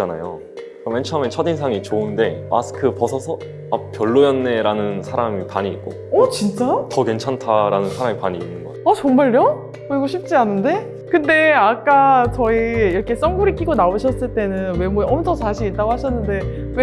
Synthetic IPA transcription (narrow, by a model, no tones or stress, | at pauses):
t͡ɕana̰jo̰ | ament͡ɕʰɯɦament͡ɕʰʌdinsʰaŋit͡ɕoɯnde̞ma̰sʰɯ̥kʰɯpʌsʰʌsʰʌ | apjʌɭːojʌnːe̞ɾanɯnsʰaɾamipaɲiːt̚k͈o | ʌt͡ɕint͡ɕ͈atʌke̞nt͡ɕʰantʰaɾanɯnsʰaɾamipaɲiːnːɯnɡʌʌt͡ɕʌŋmaɭjʌ | kɯɾiɡoɕʰip̚t͡ɕ͈ianɯnde̞ | kɯnde̞ak͈at͡ɕʌiiɾʌkʰe̞s͈ʌŋɡuɾikʰiɡonaɯɕʰʌs͈ɯɭt͈e̞nɯnwe̞mueʌmtʰʌsʰaɕʰiɾit͈aɡoɦaɕʰʌnːɯnde̞ | we